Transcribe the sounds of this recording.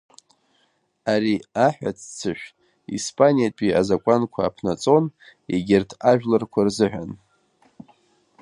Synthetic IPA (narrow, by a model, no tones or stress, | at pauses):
aɾiaħᶣa̰t͡sʰt͡sʰɨʃᶣ | ḭspʼanijat͡ʃʼiazakʷʼankʷʰaːpʰnat͡sʼo̞nḛɡʲɪrtʰaʒᶣlɨrkʷʰarzɨħʷᶣan